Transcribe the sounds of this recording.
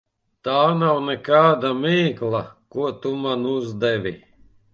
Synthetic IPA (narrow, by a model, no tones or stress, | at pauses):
t̪aːnawnɛkaːd̪amʲiːklˠakuɔt̪umanuzd̪ɛvʲi